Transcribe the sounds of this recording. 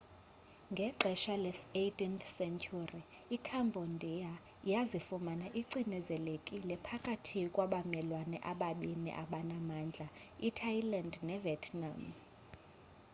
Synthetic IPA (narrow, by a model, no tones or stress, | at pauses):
ŋɡʱɛǃʱɛʃalesetʼinθsɛnt͡ʃʰʼuriː | kʰambʱondʱia | jazifumanaʔiǀinɛzɛlekʼilɛpʰakʼatʰikʼwaɓamɛlwanɛ̰ʔaɓaɓinḭʔa̰ɓanamaːnd͡ɮʱaitʰailandnɛvɛtʰna̰m